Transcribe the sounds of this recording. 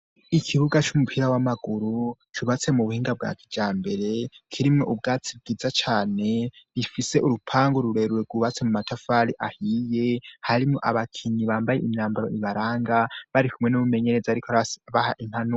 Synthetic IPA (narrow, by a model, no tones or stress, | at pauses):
ikʰiβuɡat͡ʃumupʰiɾawamaɡ̥uɾu | t͡ʃuβat͡se̞muβuhiːŋɡab̚ɡa̰ːkʰi̥d͡ʒaːmbe̞ɾe̞kʰiɾimŋoʔub̚ɡaːt͡sib̚ɡiːzat͡ʃaːne̞ɾifise̞ʔuɾupʰaːŋɡoɾuɾe̞ɾuɾeɡuβat͡se̞mumatʰafaɾiʔahije̞haɾimŋo̞ʔaβakʰiɲiβaːmbajḛʔiɲaːmbaɾo̞̰iβaɾaːŋɡaβaɾikʰumŋe̞nuβume̞ɲe̞ɾe̞zaɾikoβahaʔin̥hanu